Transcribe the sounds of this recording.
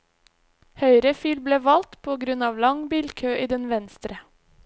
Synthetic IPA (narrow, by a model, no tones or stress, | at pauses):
hœʏɾəfiːlbleːʋɑlt̪pʰoːɡɾʉnɑːʋlɑŋbiːlkʰøːʔiːd̪ɛnʋɛnst̪ɾə